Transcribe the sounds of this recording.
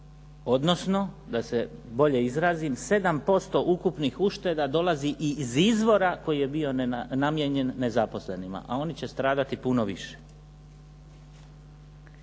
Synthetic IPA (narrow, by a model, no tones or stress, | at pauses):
o̞d̪no̞sno̞ | d̪ase̞bo̞ʎe̞izɾaːzimse̞d̪ampo̞st̪o̞ʔukupnixuʃt̪e̞d̪ad̪o̞laziʔiːzizʋo̞ɾako̞jije̞bio̞namjeɲe̞nːe̞zapo̞sle̞nima̰ʔao̞nit͡ɕe̞st̪ɾaːd̪at̪ipuno̞ʋiʃe̥